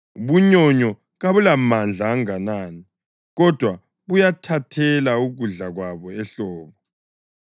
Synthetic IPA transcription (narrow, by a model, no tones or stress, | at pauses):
βuɲɔɲɔ | ɣaβulamand͡ɮʱaːŋanaːni | ɣɔd̥ʱwa | βujatʰatʰɛlauɣuɮaɣwaβɔɛɬɔːβɔ